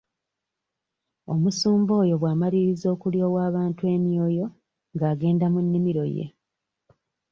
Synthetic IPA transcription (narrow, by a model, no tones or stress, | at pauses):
o̞musuːmbo̞ːjo̞βwaːmaliɾizo̞ːkuljo̞ːwaːβaːntuwe̞ːmio̞jo̞ | ŋɡaːɡe̞ːndamunːimiɾo̞̰je̞̰